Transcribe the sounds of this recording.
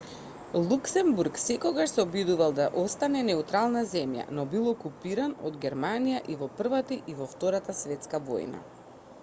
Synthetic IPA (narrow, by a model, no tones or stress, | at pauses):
lˠuksɛmbuɾksɛkɔɡaʃsɛɔbid̪uvalˠd̪aʔɔst̪anɛnɛut̪ɾalˠnazɛmja̰nɔbilˠɔkupiɾanɔd̪ɡɛɾmanijaʔivɔpr̩vat̪iʔivɔft̪ɔɾat̪asvɛt̪skavɔ̰jna̰